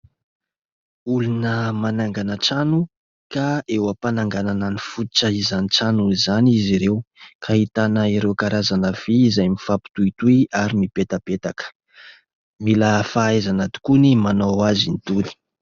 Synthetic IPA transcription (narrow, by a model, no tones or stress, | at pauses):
ulunəmanaŋɡanəʈ͡ʂanu | kaewəpanaŋɡanananifut̪ʈ͡ʂəizaniʈ͡ʂanuzaniziɾewkʰaɦit̪anəiɾewkaɾazanəv̥izajmifapi̥t̪uit̪uiaɾimipet̪əpet̪akə̥ | milafaezanat̪u̥kunimanowazinit̪uli̥